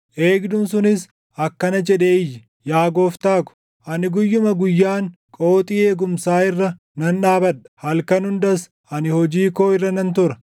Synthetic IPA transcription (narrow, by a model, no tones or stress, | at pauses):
ʔeːɡd̪ʊnsʊnɪs | ɐkːɐnɐd͡ʒɛᶑeːɪjːɪ | jaːɡoːft̪aːkʊ̥ | ʔɐnɪɡʊjːʊmɐɡʊjːaːŋkʼoːt̪ʼiːe̞ːɡʊmsaːɪrːɐ | nɐnᶑaːbɐᶑɐ̥hɐlkɐnhʊnd̪ɐs | ɐnɪhɔd͡ʒiːkoːɪrːɐnɐnt̪ʊɾɐ